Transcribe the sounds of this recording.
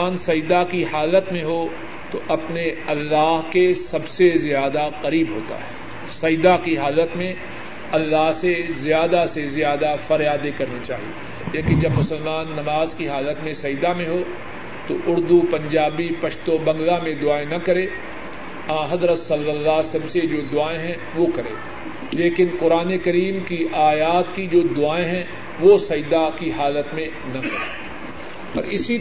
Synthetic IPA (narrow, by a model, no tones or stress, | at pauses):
aːnsɐjd̪akiɦaːlət̪mẽɦo | t̪oʔɐpneɐlːaːɦkesɐbsezjaːd̪aqɐɾiːbɦo̰ːt̪a̰ɦɛ̰ː | sɐjd̪akiɦaːlət̪mẽ | ɐlːaːɦsezjaːd̪asezɪjaːd̪afɐɾjaːd̪ekɐɾnit͡ʃa̰ːɦiḛ | leːkɪ̃nd͡ʒɐbmʊsəlmaːnːɐmaːzkiɦaːlət̪mẽsɐjd̪amẽɦoː | t̪oʔʊɾd̪upɐ̃ɲd͡ʒaːbipɐʃt̪obɐ̃ŋɡlamẽd̪ʊaːẽnɐkɐɾeː | ãːɦɐzɾət̪sɐlʋəlːaːsɐbsed͡ʒoːd̪ʊaːẽɦɛ̃ | ʋokɐɾḛː | leːkɪnqʊɾaːnekɐɾiːmkiʔaːjaːt̪kid͡ʒoːd̪ʊaːẽɦɛ̃ | ʋosɐjd̪akiɦaːlət̪mẽ | nɐkɐɾeː | ɔ̰ːɾɪsi